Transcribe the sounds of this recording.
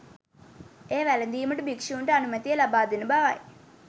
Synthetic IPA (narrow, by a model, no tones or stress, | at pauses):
eːʋælɐnd̪iːməʈəbikʂuːɳʈəanumɐt̪ijəlabaːd̪enəbaʋa̰j